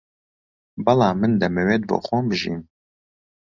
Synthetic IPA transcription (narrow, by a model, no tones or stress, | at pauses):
bɐlɑːmɨnd̪ɐmɛwed̪̚bo̰xoːmbɨʒḭm